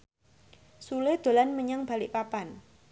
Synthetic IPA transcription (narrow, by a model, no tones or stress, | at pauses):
suled̪̥o̤lanməɲaŋb̥alɪʔpapan